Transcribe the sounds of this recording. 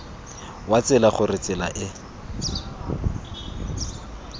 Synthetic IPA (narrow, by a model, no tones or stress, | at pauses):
wat͡sɪlaχʊrɪt͡sɪla̰ʔɪ